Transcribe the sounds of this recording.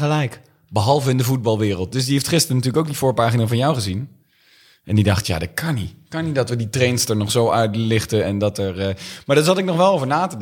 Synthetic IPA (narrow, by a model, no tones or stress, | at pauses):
əlɛjk | bəɦɑlˠvəɪndəvud̚bɑlˠʋɪːrəlˠt̚dɵs̬diɦeftχɪstərənətyːɹləkowk̚div̥ʊːɹpaːχinavɑnjɔwχəzin | ʔɛndidɑχtja̰ːdɑt̚kʰɑnikɑnitdɑtʋəditrejnsdəɹnɔχsowœɥtlɪχtəɛndɑtɛɹmaːɹdɑtsɑtɪk̚nɔχʋɛlˠowvəɹnaːtəd